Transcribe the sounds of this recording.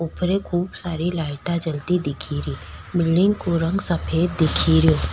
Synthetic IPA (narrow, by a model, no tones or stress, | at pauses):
ʊpɾekʰuːbsaːɾilaːɪʈat͡ʃəlt̪id̪ɪkʰiɾiːmɪlɖɪ̃ŋɡkoɾɐ̃ŋɡsɐpʰeːd̪̚d̪ɪkʰiɾioː